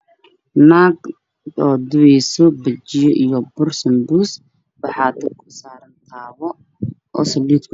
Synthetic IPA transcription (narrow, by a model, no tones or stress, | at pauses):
naːɡ̪ | ɔːd̪ʊwɛjsɔbɐt͡ʃɪjɔʔijɔbʊrsɐmbuːs | bɑħɑːt̪ʰɐkʰʊ̥saːɾɐnt̪ʰaːβɔ | ʔɔ̰ːsɐliːt̪kʰʊ